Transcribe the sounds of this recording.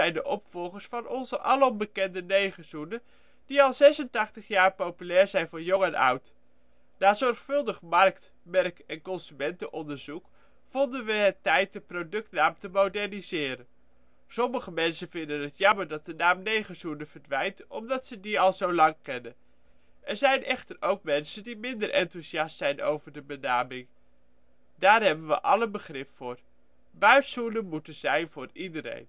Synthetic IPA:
ɛjndəʔɔpfɔlˠχəɹsfɑnɔnzəʔɑləɔmbəkɛndənejχəz̥unə | d̥iɑlˠzɛsəntɑχtəχjaːɹpowpylɛːɹzɛjnvʊːɹjɔŋɛnʌ̰wt | naːzɔɹχfɵlˠdəχmɑrkt | mɛrkɛnkɔnzymɛntəʔɔndəɹzuk | fɔndənʋəɦətːɛjt̚dəprowdɵk̚tnaːmtəmowdɛɹnizɪːɾən | sɔməχəmɛnsənvɪndənɦətjɑməɹdɑt̚dənaːmnejχənzunəv̥əɹdʋɛjntʔɔmdɑtsədiɑlˠzowlɑŋkɛnən | ʔɛɹzɛjnʔɛχtəɹowkmɛnsəndimɪndəɹʔɛ̰ntuziɑstsɛjno̰wvəɹdəbənaːmɪŋ | daːɹɦɛbənʋə̰ʔɑ̰lənbəχrɪpfʊːɹ | bœɥtsunəmutənzɛjnvʊːɹidəɾḛjn

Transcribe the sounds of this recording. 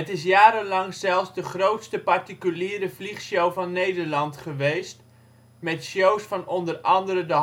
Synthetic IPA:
ətɪs̬jaːɾənlɑŋzɛlˠfsdəχrowtstəpɑrtikyliːɾəvliχʃowvɑnːejdəɹlɑntχəʋejst | mɛtʃowsfɑnɔndərɑndəɾədə

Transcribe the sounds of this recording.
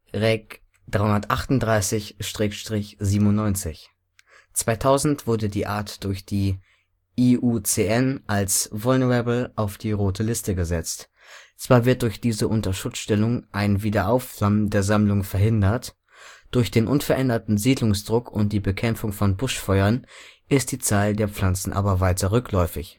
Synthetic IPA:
ʁɛk | d̥ʁaɪʊnɐtʔaχtʊntd̥ʁaɪsɪçʃtʁ̥ɛːkʃtʁ̥ɪçz̥iːbm̩ʊnnːɔʏnt͡sɪç | t͡sv̥aɪtʰaʊzn̩tv̥ʊɐdədiːʔaːɐtd̥ʊɐçd̥iː | iʔuːt͡seːʔɛnʔalsvʊlnəʁabl̩ʔaʊfd̥iːʁoːtʰəlɪstəɡəzɛt͡st | t͡sv̥aːɐvɪɐt̚d̥ʊɐçd̥iːzəʔʊntɐʃʊt͡ssʃtɛlʊŋʔaɪnviːdɐʔaʊfz̥amdeːɐzamlʊŋfɛɐɦɪndɐt | d̥ʊɐçd̥eːnʔʊnfɛɐʔɛndɐtn̩ziːdlʊŋsd̥ʁʊkʰʊnt̚d̥iːbəkʰɛmp͡fʊŋfɔnbʊʃfɔʏɐnʔɪst̚d̥iːt͡saːldeːɐp͡fl̥ant͡sn̩ʔa̰ːbɐvaɪtɐʁʏkʰlɔʏfɪç

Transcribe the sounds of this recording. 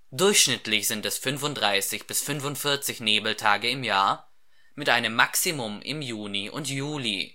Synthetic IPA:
d̥ʊɐçʃnɪtʰlɪçz̥ɪntɛsfʏnvʊntdʁaɪsɪçb̥ɪsfʏnvʊntfɪɐt͡sɪçneːbl̩tʰaːɡəɪmjaːɐ | mɪtʔaɪnəmːaksimʊmɪ̰mjuːniʔʊ̰ntjuːlḭ

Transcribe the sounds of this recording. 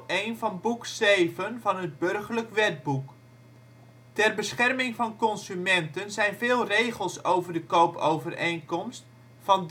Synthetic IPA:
ejnvɑnbuksejvənvɑnɦəd̚bɵrχələkʋɛd̚buk | tɛrbəsχɛrmɪŋvɑnkɔnsymɛntənzɛjnvɪːlˠrejχəlˠsowvərdəkowpowvərejŋkɔmst | fɑn

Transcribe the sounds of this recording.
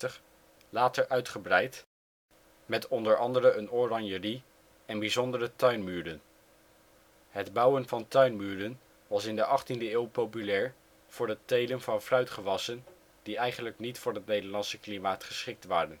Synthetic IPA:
təχ | laːtəɹʔœɥtχəbrɛjt | mɛtɔndəɹɑndərəənorɑnjəri | ɛnbizɔndərətœɥnmyːɹdən | ɦədbʌwənvɑntœɥnmyːɹdən | ʋɑsɪndəʔɑχtindəɪːwpowpylɛːɹ | v̥ʊːɹətejlənvɑnfrœɥtχəʋɑsən | d̥iɛjχənləknitfʊːɹɦətnejdəɹlɑnsəklimaːtχə̥sχɪk̚tʋaːrən

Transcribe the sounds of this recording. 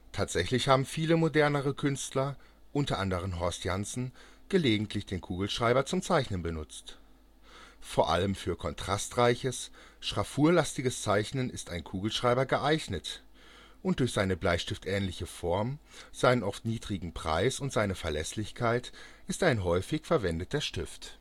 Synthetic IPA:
tʰaːtz̥ɛçlɪçhaːbm̩fiːləmodɛɐnəʁəkʰʏnstlɐ | ʔʊntɐʔandəʁ̞ənɦɔɐstjansn̩ | ɡ̥əleːɡŋ̩tʰlɪçd̥eːnkʰuːɡl̩ʃʁ̥aɪbɐt͡sʊmt͡saɪçnənbənʊt͡st | foːɐʔa̰ləmfyːɐkʰɔntʁ̥astʁaɪçəs | ʃʁ̥afuːɐlastɪɡəst͡saɪçnənɪstaɪnkʰuːɡl̩ʃʁ̥aɪbɐɡəʔaɪçnət | ʔʊnt̚d̥ʊɐçz̥aɪnəblaɪʃtɪftʔɛːnlɪçəfɔɐm | z̥aɪnənʔɔftniːdʁɪɡŋ̩pʁ̥a̰ɪsʊntz̥aɪnəfɛɐlɛslɪçkʰaɪt | ʔɪstʔaɪnɦɔʏfɪçfɛɐvɛndət̚d̥eːɐʃtɪft

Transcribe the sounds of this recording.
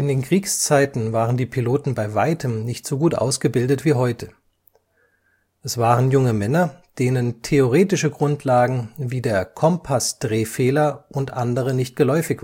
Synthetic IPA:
ʔɪndeːnkʁ̥iːkst͡saɪtn̩vaːʁəndiːpʰiloːtn̩baɪvaɪtʰəmnɪçtz̥oːɡuːtʔa̰ʊsɡ̥əbɪldətv̥iːɦɔʏtʰə | ʔɛsv̥aːʁənjʊŋəmɛnɐd̥eːnəntʰeoʁ̞eːtɪʃəɡʁʊntʰlaːɡŋ̩viːdeːɐkʰɔmpʰasd̥ʁeːfeːlɐʔʊntʔandəʁ̞ənɪçt̚ɡ̥əlɔʏfɪçv̥

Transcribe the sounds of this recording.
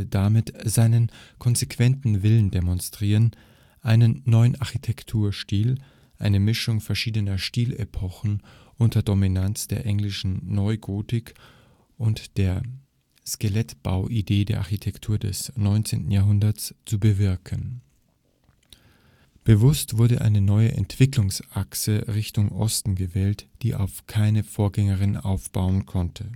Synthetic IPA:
ədamɪtz̥aɪnənkʰɔnzekv̥ɛntn̩vɪləndemɔnstʁ̥iːʁən | ʔaɪnənːɔʏənʔaɐçitʰɛktʰuːɐʃtiːl | ʔa̰ɪnəmɪʃʊŋfɛɐʃiːdənɐʃtiːlḛpʰɔxn̩ | ʔʊntɐdɔminant͡sd̥eːɐʔɛŋlɪʃn̩nɔʏɡoːtɪk | ʔʊntd̥eːɐ | skelɛtb̥a̰ʊʔideːdeːɐʔaɐçitʰɛktʰuːɐdɛ̰snɔʏnt͡sḛːntn̩jaːɐɦʊndɐt͡st͡subəvɪɐkʰən | b̥əvʊstv̥ʊɐdəʔa̰ɪnənɔʏəʔɛ̰ntv̥ɪklʊŋsʔaksəʁɪçtʊŋʔɔ̰stn̩ɡəvɛːltd̥iːʔa̰ʊfkʰaɪnəfoːɐɡɛŋəʁɪnʔa̰ʊfb̥aʊənkʰɔntʰə

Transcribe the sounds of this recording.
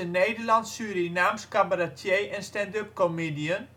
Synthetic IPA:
ənejdərlɑntsyːɾinaːmskabaratʰjeːʔɛnstɛndøp̚komedijən

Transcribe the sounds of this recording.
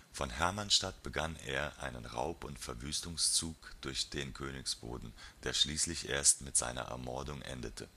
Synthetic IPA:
fɔnɦɛɐmanʃtatb̥əɡaneːɐʔa̰ɪnənʁa̰ʊpʊntfɛɐvyːstʊŋst͡suːkd̥ʊɐçd̥eːnkʰøːnɪksb̥o̰ːdn̩d̥eːɐʃliːslɪçʔeːɐstmɪtz̥a̰ɪnɐ̰ʔɛ̰ɐmɔɐdʊŋʔɛ̰ndətʰə̰

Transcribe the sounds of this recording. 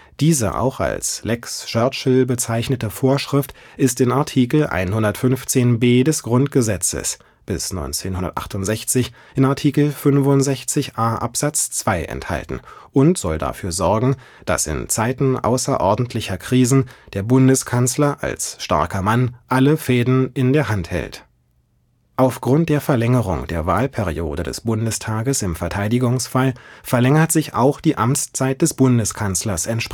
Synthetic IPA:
d̥iːzə̰ʔa̰ʊxa̰lslɛkst͡ʃœɐt͡ʃl̩bət͡saɪçnətəfoːɐʃʁ̥ɪft | ʔɪstɪnaɐtʰiːkl̩ʔa̰ɪnɦʊndɐtfʏnft͡seːnbeːdɛsɡ̥ʁʊntɡ̥əzɛt͡sə̰s | b̥ɪsnɔ̰ʏnt͡seːnhʊndɐtʔa̰χtʊntz̥ɛçt͡sɪç | ʔɪnaɐtʰiːkl̩fʏnvʊnzɛçt͡sɪçʔaːʔa̰pz̥at͡st͡sv̥aɪʔɛ̰ntha̰ltn̩ʔʊntz̥ɔlda̰fyːɐzɔɐɡŋ̩ | d̥a̰sɪ̰nt͡saɪtn̩ʔa̰ʊsɐʔɔɐdn̩tʰlɪçɐkʁ̥iːzn̩d̥eːɐbʊndəskʰanslɐʔa̰lsʃta̰ɐkɐmanʔaləfeɛːdn̩ʔɪndeːɐɦanthɛ̰lt | ʔaʊfɡ̥ʁʊnt̚d̥eːɐfɛɐlɛŋəʁʊ̰ŋd̥eːɐva̰ːlpʰɛʁio̰ːdədɛ̰sb̥ʊndəstʰaːɡəsɪmfɛɐtʰaɪdɪɡʊŋsfalfɛɐlɛŋɐtz̥ɪça̰ʊxd̥iːʔamt͡st͡saɪt̚d̥ɛsb̥ʊndəskʰanslɐsɛntʃp

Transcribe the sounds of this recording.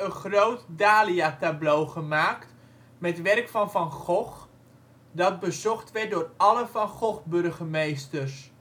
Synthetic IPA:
ənχrowtdaːliatablowχəmaːkt | mɛtʋɛrkfɔnfɔnχɔx | dɑt̚bəzɔχtʋɛt̚doːrɑləfɑnχɔχbɵrɣəmejstərs

